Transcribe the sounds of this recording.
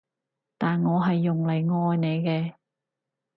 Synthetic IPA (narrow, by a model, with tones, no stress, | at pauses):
t̪aː˨nŋɔː˨˧ɦɐ˨jːʊ˨ŋle˨˩jŋɔː˧jne˨˧jkɛː˧